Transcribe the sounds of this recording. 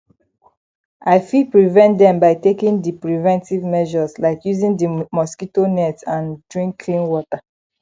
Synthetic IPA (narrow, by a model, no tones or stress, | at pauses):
aɪfipɹivɛ̃ntdɛ̃mbaɪtekĩndipɹivɛ̃ntivmɛʒɔzlaɪkjuzĩndimɔskitonɛtãndɹĩŋkkʰlĩnwɔta